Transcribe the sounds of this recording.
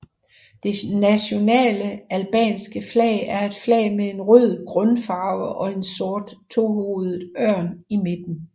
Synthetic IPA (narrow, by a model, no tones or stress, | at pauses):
d̥e̝næɕo̝nɛ̰ːləælb̥ɛ̰ːnsɡ̥əflɛ̰ːɪæɐe̝d̥flɛ̰ːɪmee̝nʁøð̰̩ˠɡ̥ʁɔnfɑ̈ʊəʔɒ̽e̝nsɔ̝ɐd̥t͡sʰo̝ho̝ðˠð̩ˠɶɐ̰nime̝d̥n̩